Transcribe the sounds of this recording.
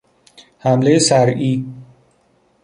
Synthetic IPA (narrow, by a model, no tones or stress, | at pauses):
hamlejesaɾiː